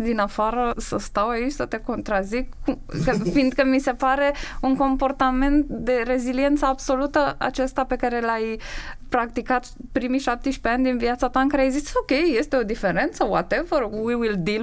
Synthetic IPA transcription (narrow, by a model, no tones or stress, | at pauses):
d̪inafaɾəsəst̪await͡ʃʲsət̪e̞ko̞nt̪ɾazikːukəfind̪̚kəmise̞paɾe̞uŋko̞mpo̞rt̪ame̞nt̪d̪e̞re̞zilie̞nt̪səabso̞lut̪əa̰t͡ʃest̪ape̞kaɾe̞lajpɾak̚t̪ikat̪ | pɾimiʃap̚t̪eʃpeanʲd̪inviat̪sat̪aɨŋkaɾeajziso̞kʲe̞jːe̞st̪e̞o̞d̪ife̞ɾe̞nt̪səwat̪evəɾwiwild̪il